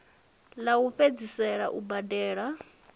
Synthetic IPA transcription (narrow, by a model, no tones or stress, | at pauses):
lauɸed͡zisɛɺa̰ʔubadɛːɺa